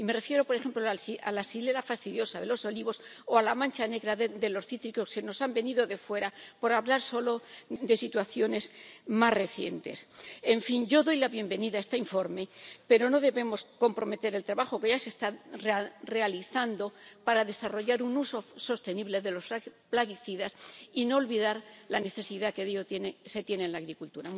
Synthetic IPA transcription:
ime̞re̞fje̞ɾo̞po̞ɾe̞xe̞mploa̰lasile̞lafast̪iðjo̞saðe̞lo̞so̞liβ̞o̞s | oalamãnt͡ʃane̞ɣɾaðd̪e̞lo̞sθit̪ɾikoskeno̞sambe̞niðo̞ðe̞fwe̞ɾapo̞ɾaβlaɾso̞lo̞d̪e̞sit̪waθjo̞ne̞zmarre̞θje̞̰nt̪e̞̰se̞ɱfinɟ͡ʝo̞ðo̞jlaβje̞mbe̞niðaest̪aiɱfo̞ɾme̞pe̞ɾo̞no̞ðe̞βe̞mo̞sko̞mpɾo̞me̞t̪e̞ɾe̞lt̪ɾaβaxo̞ke̞ʝase̞st̪arre̞aliθand̪o̞paɾaðe̞saro̞ʝaɾunuso̞so̞st̪e̞niβle̞ðe̞lo̞splaɣiθiðasino̞ːlβiðaɾlane̞θe̞siðakeðiot̪enese̞t̪jenenlaːɣɾikult̪uɾa

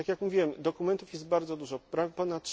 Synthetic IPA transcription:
akʲjakmuvʲiwɛmd̪ɔkumɛnt̪ufjɛst̪̚baɾd̪zɔd̪uʐɔpɾapɔnat̪̚ː

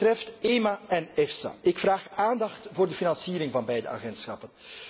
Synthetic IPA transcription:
trɛfteːmaʔɛnɛfsa̰ʔɪkfraːxaːndɑxtvoːrdəfinɑnsiːɾɪŋvɑnbɛjdə̰a̰ɣɛntsxɑpən

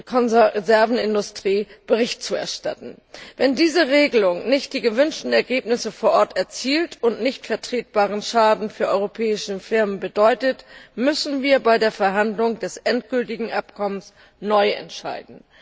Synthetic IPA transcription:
kʰɔnzɛɐvn̩ɪndʊstʁ̥iːb̥əʁ̞ɪçt̚t͡suɛ̰ɐʃta̰tn̩ | vɛndiːzəʁeːɡəlʊŋnɪçt̚d̥iːɡəvʏnʃtn̩ɛɐɡeːpnɪsəfoːɐʔɔɐtɛɐt͡siːltʊntnɪçtfɛɐtʁ̥eːt̚b̥aːʁənʃaːdn̩fyːɐʔɔʏʁopʰɛːɪʃəfɪɐmənbədɔʏtətmʏsn̩viːɐbaɪdeːɐfɛɐɦandlʊŋdɛsʔɛntɡ̥ʏltɪɡŋ̩ʔapkʰɔməns | nɔʏɛ̰ntʃa̰ɪdn̩

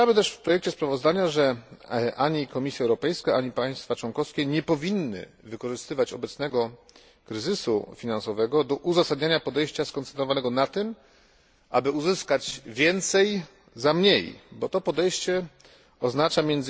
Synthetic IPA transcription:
amɘt̪ɛʂfpɾɔjɛk̚t͡ɕɛspɾavɔzd̪aɲaʐɛʔaɲikɔmʲisʲjaɛwɾɔpɛjskaaɲipaj̃st̪fat͡ʂwɔnkɔfskʲɛɲɛpɔvʲinːɘ̰ | vɘkɔʐɘst̪ɘvat͡ɕɔbɛt̪snɛɡɔ | kɾɘzɘsṵfʲinansɔvɛɡɔd̪ɔʔuzasad̪ɲaɲapɔd̪ɛjɕt͡ɕaskɔnt̪sɛnt̪ɾɔvanɛɡɔnat̪ɘm | ʔa̰bɘuzɘskad͡ʑvʲjɛnt̪sɛj | zamɲejbɔt̪ɔpɔd̪ɛjɕt͡ɕɛ | ɔznat͡ʂamʲjɛnd̪z

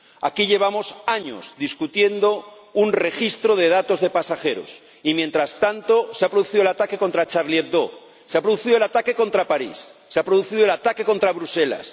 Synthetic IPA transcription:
akiʎe̞β̞amo̞saɲo̰zd̪iskut̪je̞nd̪o̞ | unre̞xist̪ɾo̞ð̞e̞ð̞at̪o̞zðe̞pasaxe̞ɾo̞̰s | imje̞nt̪ɾast̪ant̪o̞seapɾoðuθiðoat̪akeko̞nt̪ɾat͡ʃaɾlje̞t̪̚d̪o | seapɾoðuθiðolat̪ake̞kõ̞nt̪ɾapaɾḭsːeapɾoðuθiðolat̪ake̞ko̞nt̪ɾaβɾuse̞la̰s

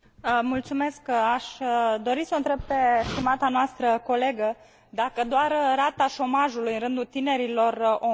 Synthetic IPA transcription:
mult̪sume̞skaʃʲd̪o̞ɾisəɨnt̪ɾe̞b̚pe̞st̪imat̪anoast̪ɾəko̞le̞ɡə | d̪akəd̪oarrat̪aʃo̞maʒulujɨnɾɨnd̪ut̪ine̞ɾilo̞ro

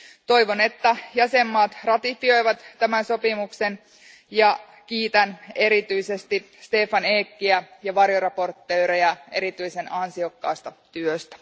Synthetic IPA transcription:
t̪o̞jʋo̞ne̞t̪ːæjæsemːɑːt̪rɑt̪ifio̞jʋɑt̪ːæmænso̞pimukse̞n | jɑ | k̟iːt̪æne̞ɾit̪yise̞st̪i | st̪e̞ːfɑneːkːiæjɑʋɑrjorɑpo̞rt̪ːøːɾejæe̞̰ɾit̪yjse̞nɑnsio̞kːɑːst̪ɑt̪yøst̪æ̥

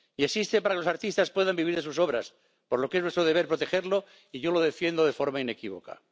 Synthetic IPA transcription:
iesist̪epaɾakelosaɾt̪ist̪aspwe̞ðambiβiɾðesuso̞βɾas | poɾlo̞keβwet̪ɾoðeβe̞ɾpɾo̞t̪e̞xe̞ɾlo̞ | iʝo̞lo̞ðe̞fje̞nd̪oðe̞fo̞ɾmaine̞kiβo̞̰ka̰

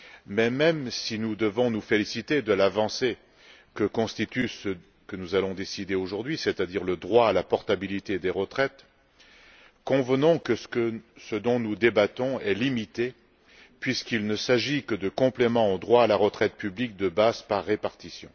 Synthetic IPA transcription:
mɛmɛmsinud̪əvɔ̃nufelisit̪ed̪əlavɑ̃se | kəkɔ̃st̪it̪ysə | kənuzalɔ̃d̪esid̪eoʒuʁd̪ɥiset̪ad̪iʁləd̪ʁwaːlapɔʁt̪abilit̪ed̪eʁət̪χɛt̪ | kɔ̃vənɔ̃kəskəsəd̪ɔ̃nud̪ebat̪ɔ̃ɛlimit̪e | pɥiskilnəsaʒikəd̪əkɔ̃plemɑ̃od̪ʁwaːlaʁət̪χɛt̪̚pyblik̚d̪əbazpaʁːepaʁt̪isjɔ̃

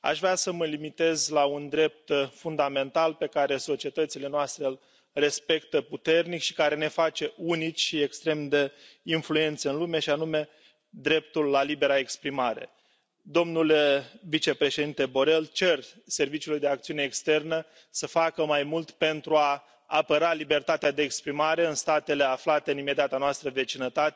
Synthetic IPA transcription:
a̰ʃvɾeasəməlimit̪e̞zlaund̪ɾe̞p̚t̪fund̪ame̞nt̪alpe̞kaɾe̞so̞t͡ʃie̞t̪ət̪sile̞noast̪ɾeɨl | re̞spe̞kt̪əput̪e̞rnikʃi̥kaɾe̞ne̞fat͡ʃe̞ʔunit͡ʃʲʃiekst̪ɾe̞md̪einfluje̞nt̪səɨnlume̞ʃianume̞ | d̪ɾe̞p̚t̪ulːalibe̞ɾaekspɾimaɾe̞̰ | d̪o̞mnulevit͡ʃe̞pɾe̞ʃe̞d̪int̪e̞bo̞ɾe̞lt͡ʃe̞rse̞rvit͡ʃiulujd̪e̞ak̚t̪siune̞ːkst̪e̞rnə | səfakəmajmult̪pe̞nt̪ɾuaː | pəɾalibe̞rt̪at̪ead̪e̞ːkspɾimaɾe̞ɨnst̪at̪e̞le̞aflat̪eɨnime̞d̪eat̪anoast̪ɾəve̞t͡ʃinət̪at̪e

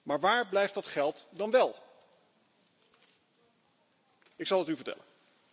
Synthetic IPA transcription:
maːɹʋaːɹblɛjftdɑtχɛlˠtdɑnʋɛlˠ | ɪksɑlˠɦətyvəɹtɛ̰lə̰n

